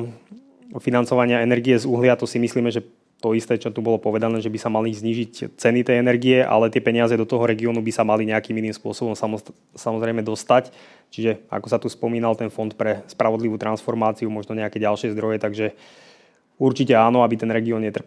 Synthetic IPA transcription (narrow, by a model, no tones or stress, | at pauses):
finant͡sɔʋaɲɪaɛnɛɾɡiɛzuɦlɪat̪ɔsimisliːmɛʒɛ | t̪ɔist̪ɛːt͡ʃɔt̪ubɔlɔpɔʋɛd̪anɛːʒɛbisamalizɲiːʒict͡sɛnit̪ɛjɛnɛɾɡiɛʔa̰lɛt̪ɪɛpɛɲɪazɛd̪ɔt̪ɔɦɔɾɛɡiɔːnubisamaliɲɛakiːminiːmspʊɔsɔbɔmsa | samɔzɾɛɪmɛd̪ɔst̪ac | t͡ʃiʒɛa̰kɔsat̪uspɔmiːnalt̪ɛnfɔnt̪pɾɛspɾaʋɔd̪liʋuːt̪ɾansfɔɾmaːt͡siumɔʒnɔɲɛakɛɟalʃɪɛzd̪ɾɔjɛt̪aɡʒɛ | uɾt͡ʃicɛaːnɔabit̪ɛnɾɛɡiɔːnɲɛt̪r̩